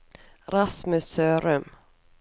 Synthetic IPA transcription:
ɾasmɵsøːɾɵm

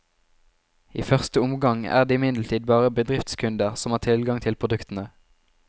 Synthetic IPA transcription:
iːfœʁst̪əʊmɡɑŋæ̰ːʁd̪eːɪmɪnd̪l̩t̪ʰiːd̪̚bɑːʁəbəd̪ʁɪft̪skʰʉnd̪əʁsɔmhæːt̪ʰɪlɡɑŋt̪ʰɪlpʰʁʊd̪ʉkt̪n̩ə

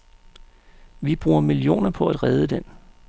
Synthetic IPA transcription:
ʋib̥ʁuːɐmilijo̝̰ːnɐpʰɒ̽æd̥ʁɛð̞ˠəd̥en

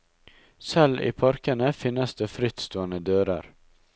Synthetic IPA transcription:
sɛlḭːpʰɑɾkənəfɪnːəsd̪eːfɾɪt̪st̪oːənəd̪øːɾɑ̰ɾ

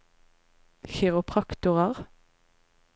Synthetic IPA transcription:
çɪʁʊpʰʁɑkt̪ʊʁəʁ

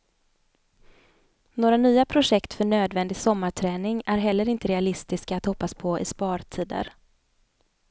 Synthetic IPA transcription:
noːɾanyːapʰɾʊʂɛkt̪fœɳøːd̪vɛnd̪ɪɡsɔmːaʈʰɾɛːnɪŋæɾɦɛlːəɾɪnt̪əɾɛalɪst̪ɪskaːt̪hɔpːaspʰɔɪ̰spɑːɾʈʰiːd̪ə̰ɾ

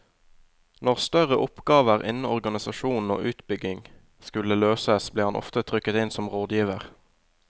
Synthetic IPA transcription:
nɔʁst̪œʁəʔʊpɡɑːʋəʁʔɪ̰nn̩ɔʁɡɑnɪsɑʃuːn̩o̰ːʔʉːt̪bʏɡɪŋ | skʉləløːsəsbleːhɑnʔɔ̰ft̪ət̪ʰʁʏkət̪ɪnsɔmʁoːd̪jiːʋəʁ

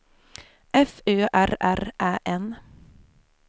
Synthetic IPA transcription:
ʔɛføːʔæɾæɾʔæːʔɛn

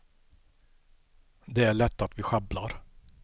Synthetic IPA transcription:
d̪ɛæɭɛt̪ːat̪vɪɧablaɾ

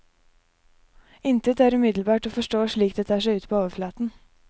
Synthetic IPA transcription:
ɪnt̪ʰɪt̪æːɾʉːmɪd̪lbɑːʈoːfɔʂʈoːʂɭiːkd̪eːt̪ʰɑːʂæɪʉːt̪pʰoːoːʋəflɑːt̪n̩

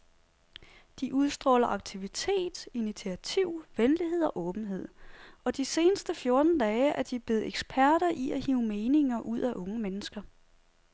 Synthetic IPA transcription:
d̥iʔuð̞ˠsd̥ʁɒ̽lɐʔɑ̈ɡ̥̚t͡sʰiʋit͡sʰe̝̰ːd̥init͡sʰiæt͡sʰiʊ̰ʋenliɦe̝ð̞̰ˠɒ̽ʔɔ̽ːb̥n̩ɦe̝ð̞̰ˠɒ̽d̥ise̝ːnəsd̥əfjo̝ɐd̥n̩d̥ɛːɪʔæɐd̥ib̥le̝ð̩ˠeɡ̥sb̥ʰæɐɾ̥ɐʔiæhiʊme̝ːne̝ŋɐʔuð̞̰ˠæʔɔ̽ŋəmenəsɡ̥ɐ

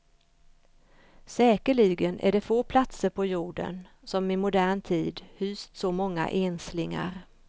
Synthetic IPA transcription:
sɛːkəɭɪɡənʔæ̰ɖɛfoːpʰlat̪səɾpʰɔjuːɖə̰n | sɔmɪmʊd̪æːɳt̪ʰiːd̪hyːst̪sɔmɔŋːa̰ʔenslɪŋa̰ɾ

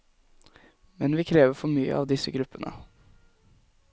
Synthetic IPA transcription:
mɛnʋiːkʰɾeːʋəɾfɔɾmyːə̰ʔɑːʋd̪ɪsəɡɾʉpːənʔə

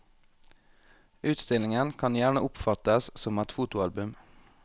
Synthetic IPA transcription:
ʉːt̪st̪ɪlɪŋənkʰɑnjæːɳəʔʊpfɑt̪əssɔmɛt̪fuːt̪ʊɑlbʉm

